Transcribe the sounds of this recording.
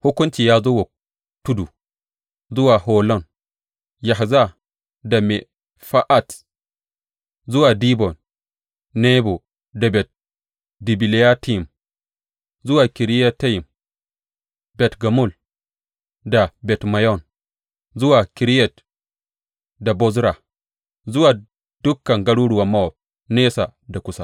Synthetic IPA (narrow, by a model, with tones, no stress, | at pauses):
ho˦kːu˦nt͡ʃi˨ja˨zo˦wo˨ | tːu˦du˨ | zu˦wa˨ɦo˨lɔ˦n | ja˨ɦza˦ | da˨me | fa˦ʔa˨t | zu˦wa˨di˦bɔ˨n | ne˦bo˨ | da˨bɛ˨t̚ | di˨bi˨le˦ja˦ti˦m | zu˦wa˨ki˨ɾi˦ja˦tːa˦ji˨m | bɛ˨tɡa˨mu˦˨l | da˨bɛ˨tma˨jɔ˦˨n | zu˦wa˨ki˨ɾi˦jɛ˨t | da˨bɔ˦zɾa˨ | zu˦wa˨ | d̥u˦kːa˨ŋɡa˦ɽu˦ɽu˨wa˨mːa˦wo˨b̚ | ne˦sa˨da˨ku˨sa˨